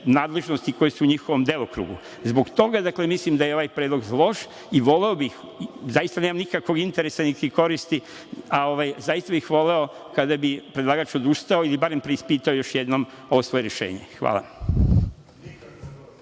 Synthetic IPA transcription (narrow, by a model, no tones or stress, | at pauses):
naːd̪le̞ʒnost̪iko̞jesuːɲixoʋo̞md̪e̞lokɾṵːɡṵ | zbo̞ɡt̪o̞ɡad̪akle̞mislimd̪ajeo̞ʋajpɾeːd̪lˠoɡlˠo̞ʃ | iʋo̞le̞obix | zajist̪ane̞ːmamnikakʋo̞ɡint̪eɾesanik̪iko̞ɾist̪i | ao̞ʋajzajist̪abixʋo̞le̞o̞ | kad̪abipɾed̪lˠaːɡaːt͡ʃo̞d̪ust̪ao̞ilibaɾe̞mpɾeispiːt̪aojo̞ʃjed̪nom | o̞ʋosʋo̞je̞ɾjeʃḛːɲḛxʋa̰ːlˠa̰